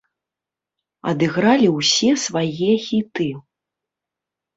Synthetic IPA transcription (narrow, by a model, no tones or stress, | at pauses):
ɐ̰d̪ɨɣɾalʲiwsʲɛsvajɛxʲit̪ɨ